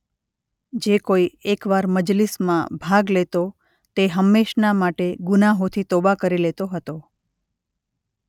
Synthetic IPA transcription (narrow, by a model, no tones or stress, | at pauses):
d͡ʒekoiekʋaɾməd͡ʒlismãbʱaɡlet̪o | t̪eɦəmːeʃnamaʈeɡunaɦot̪ʰit̪obakəɾilet̪oɦət̪o